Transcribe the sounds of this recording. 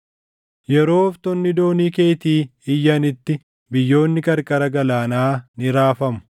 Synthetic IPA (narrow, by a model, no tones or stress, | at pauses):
jɛɾo̞ːft̪ɔnːɪd̪o̞ːniːkeːjt̪iːɪjːɐnɪt̪ːɪ | bɪjːo̞ːnːɪkʼɐɾkʼɐɾɐɡɐlaːnaːnɪɾaːfɐmʊ̥